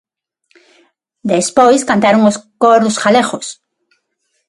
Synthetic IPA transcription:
d̪espojskãnt̪aɾoŋoskoɾosxalexos

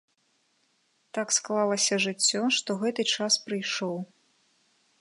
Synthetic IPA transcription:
t̪aksklˠalˠɐsʲɐʐɨt͡sʲːɔʂt̪ɔɣɛt̪ɨt͡ʂaspɾɨjʂɔw

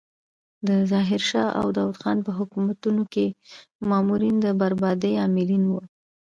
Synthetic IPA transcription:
d̪əzɑɦɪɾʃɑʔa̰wd̪ɑwud̪xɑnpəɦʊkumat̪unokemɑmuɾind̪əbaɾbɑd̪əjɑmɪlinwu

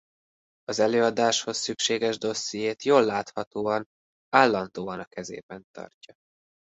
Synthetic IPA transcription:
ɒzɛløːɒd̪aːʃho̞sːykʃeːɡɛʒd̪o̞sːijeːt̪joːlːaːt̪hɒt̪oːɒn | aːlːɒnd̪oːɒnɒkɛzḛːbɛnt̪ɒ̰rcɒ

